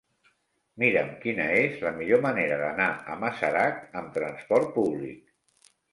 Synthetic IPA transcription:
miɾəmkinəezləmiʎoməneɾəðənaə̰məsəɾakəmt̪ɾənspɔɾt̪̚puβlḭk̚

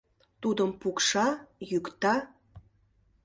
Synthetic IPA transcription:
t̪ud̪əmpukʃɑjykt̪ɑ

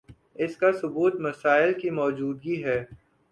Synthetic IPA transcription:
ɪskasʊbuːt̪mɐsaːɪlkimɔːd͡ʒuːd̪ɡiɦɛː

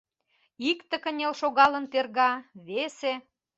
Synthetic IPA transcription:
ikt̪ə̆kə̆nʲelʃoɣɑlə̆nt̪erɣɑβese

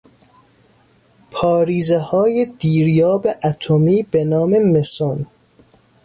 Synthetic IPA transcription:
pʰɒːɾiːzehɒːjed̪̥iːɾjɒːbeʔæt̪ʰomiːbenɒːme̞me̞son

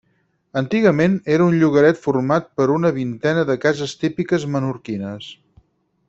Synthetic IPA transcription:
ənt̪iɣəmeneɾəunʎuɣəɾɛt̪furmat̪̚pəɾunəβint̪ɛnəðəkazəst̪ipikəzmənuɾkinəs

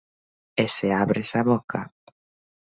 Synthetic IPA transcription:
eseaβɾesaβɔkʰa̰

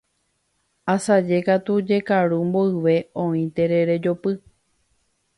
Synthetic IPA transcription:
asad͡ʒe̞kat̪ud͡ʒe̞kaɾumboɨʋe̞õĩt̪e̞ɾe̞ɾe̞d͡ʒo̞pɨ

